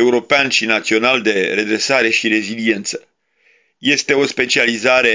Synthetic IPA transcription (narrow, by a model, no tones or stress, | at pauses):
euɾo̞peanʃinat̪sio̞nald̪e̞ɾe̞d̪ɾe̞saɾe̞ʃiɾe̞zilie̞nt̪sə̥ | je̞st̪e̞o̞spe̞t͡ʃializaɾe̞